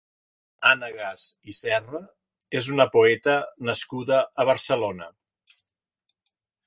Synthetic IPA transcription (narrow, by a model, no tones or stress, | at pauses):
anəɣazisɛrə | ezunəpoɛt̪ənəskuðəʔːβ̞əɾsəlonə̰